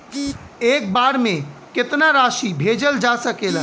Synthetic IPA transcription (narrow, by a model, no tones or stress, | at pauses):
ek̚baɽmẽket̪naɾaʃibʱed͡ʒəld͡ʒasəkelə